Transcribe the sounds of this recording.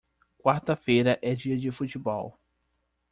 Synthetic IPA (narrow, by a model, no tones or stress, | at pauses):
kwaɾt̪ɐfejɾɐʔɛd͡ʒiɐd͡ʒɪfut͡ʃɪbɔw